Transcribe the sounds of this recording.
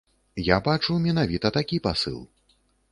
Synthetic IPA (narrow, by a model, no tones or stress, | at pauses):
jabat͡ʂumʲɛnavʲit̪ɐt̪akʲipasɨ̰lˠ